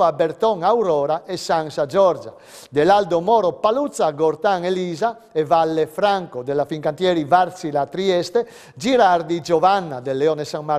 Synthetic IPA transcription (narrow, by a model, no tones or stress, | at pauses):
abɛɾt̪ɔŋawɾɔːɾaɛsaŋsad͡ʒɔɾd͡ʒa | d̪ɛlald̪omɔːɾɔpalut̪sːaɡɔɾt̪aŋeliːza | ɛvalːefɾaŋkod̪ɛlafiŋkant̪jɛːɾivaɾt̪silat̪ɾiɛst̪ɛ | d͡ʒiɾaɾd̪id͡ʒɔvanːad̪ɛlːɛɔnɛsaŋma